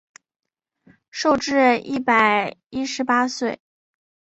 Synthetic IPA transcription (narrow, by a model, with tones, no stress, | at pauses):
ʂo˥˧ʊʈ͡ʂɻ̩˥˧i˥˩pa˨˩ɪi˥ʂɻ̩˧˥pa˥swe˥˩ɪ